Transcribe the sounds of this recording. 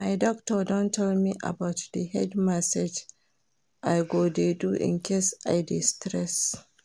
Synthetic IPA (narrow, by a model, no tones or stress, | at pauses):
majdɔk̚tɔdɔ̃ntʰɛlmiʔa̰bawtdəhɛdmasad͡ʒ | ʔajɡodeduʔɪ̰̃nkʰesʔajdɪstɾɛs